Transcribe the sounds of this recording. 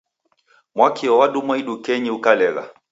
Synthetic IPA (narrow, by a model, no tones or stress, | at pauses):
mwakiɔwaɗumwaiɗukɛɲiukalɛɣa̰